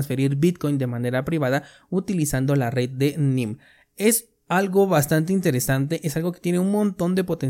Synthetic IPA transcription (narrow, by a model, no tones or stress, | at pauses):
nsfe̞ɾiɾbit̪̚ko̞jnd̪e̞mane̞ɾapɾiβaða | ut̪ilisand̪o̞lare̞d̪̚d̪e̞nĩm | es | alɣo̞βast̪ant̪̬eint̪e̞ɾesant̪e̞ʔesalɣo̞ket̪je̞neunmõ̞nt̪o̞nd̪e̞po̞t̪en